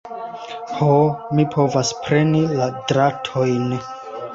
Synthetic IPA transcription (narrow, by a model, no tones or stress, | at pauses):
homipʰo̞vaspɾe̞niladɾatʰo̞jn